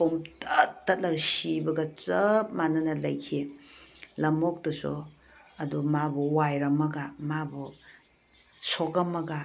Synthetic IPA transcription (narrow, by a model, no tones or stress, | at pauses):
pomtʰɐttːɐt̚lɐsibɐɡɐt͡ʃɐp̚manɐnɐlɐjkʰe | lɐmok̚dɔso | ɐdumabɔwajɾɐmɐɡamabɔ | soɡɐmɐɡa